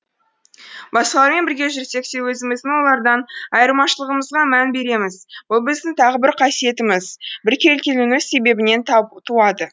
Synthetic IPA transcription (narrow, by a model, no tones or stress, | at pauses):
bɑsqɑlˠɑɾme̞nbɪɾɡʲe̞ʒʏɾse̞ksewɵzɪmɪzɪwo̞lˠɑɾd̪ɑnɑjəɾmɑʃəlˠəʁəməzʁɑmænbe̞ɾe̞mɪzb̥ʊlˠbɪzd̪ɪŋt̪ʰɑʁəbɪɾqʰɑsije̞t̪ɪmɪzbɪɾkʲʰe̞lkʲelunɪzse̞be̞bɪne̞nt̪t̪ʰuɑd̪ə